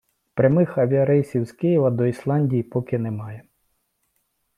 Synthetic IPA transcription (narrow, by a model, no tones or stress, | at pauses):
pɾʲɐmɪxɐʋʲiɐɾɛjsʲiwz̥kɪjiʋɐd̪ɔislˠɑnʲdʲijipɔkɪnɛmɑjɛ